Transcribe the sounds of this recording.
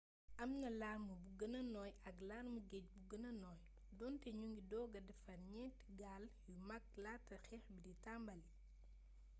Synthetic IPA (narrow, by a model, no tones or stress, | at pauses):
ʔɐmnɐlaːrmubuɡɐnɐnɔjɐklaːrmuɡɛc̚buɡənɐnɔːj | dɔntɛɲuŋɡidɔːɡɐdɛfɐnɲɛtiɡaljumɐk̚latːɐxɛxbiditambɐli